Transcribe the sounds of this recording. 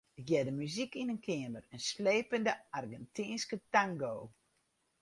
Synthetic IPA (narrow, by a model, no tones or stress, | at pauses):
əɡjɛdəmyzikinənkʰɪəmərənsleːpəndəarɡɛntʰinskətaŋɡoː